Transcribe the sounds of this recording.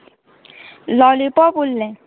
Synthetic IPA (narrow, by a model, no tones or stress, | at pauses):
lɔlipɔpulːɛ̃